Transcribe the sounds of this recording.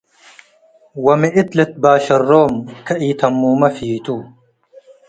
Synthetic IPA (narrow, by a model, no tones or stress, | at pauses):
wɐmiʔit̪let̪̚baːɕɐrːoːmkɐʔiːt̪ʰɐmːuːmɐfiːt̪uː